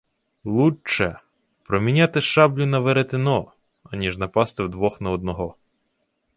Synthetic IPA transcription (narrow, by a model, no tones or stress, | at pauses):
lˠut͡ʃɛ | pɾɔmʲinʲat̪ɪʃɑblʲʊnɐʋeɾet̪ɪnɔ | ɐnʲiʒnɐpɑst̪ɪwd̪ʋɔxnɐɔd̪̚nɔɦɔ